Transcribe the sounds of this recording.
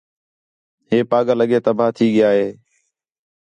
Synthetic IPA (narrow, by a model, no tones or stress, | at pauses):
ɦeːpaːɠaːləɠeːt̪əbʱaːt̪ʰiːɠɪjaːɦeː